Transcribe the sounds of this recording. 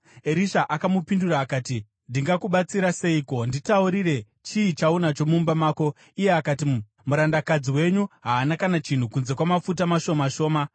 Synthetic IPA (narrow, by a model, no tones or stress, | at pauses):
eɾiʃaʔakamupinduɾaːkaːti | ndiŋɡakuɓat͡siɾase̞iko̞nditauɾire̞ | t͡ʃiːt͡ʃaunat͡ʃo̞mumbamaːko̞ | ije̞akati | muɾandakad͡ziwe̞ɲuɦaːnakanat͡ʃin̤ukunze̞kwamafutamaʃo̞maʃo̞ːma